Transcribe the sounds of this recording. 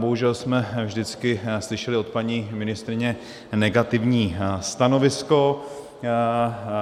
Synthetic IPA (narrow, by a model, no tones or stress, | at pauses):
boɦuʒɛlsmɛvʒdɪt͡skɪslɪʃɛlɪo̞t̪̚paɲiːmɪnɪst̪ɾɪɲɛ | nɛɡat̪ɪvɲiːst̪ano̞vɪsko̞